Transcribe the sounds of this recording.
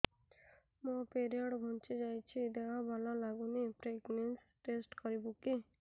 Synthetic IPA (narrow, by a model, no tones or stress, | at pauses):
mɔ̃peɾijəɽbʱɔ̃nt͡ʃid͡ʒajt͡ʃʰid̪eɦãbʱalãlaɡunipɾekmens | ʈesʈkɔɾibũki